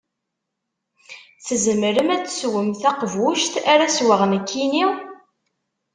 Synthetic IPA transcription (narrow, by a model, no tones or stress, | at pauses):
θəzəməɾəmæt͡sːswəmθæqvuʃt̪aɾæswaʁnəkʰːini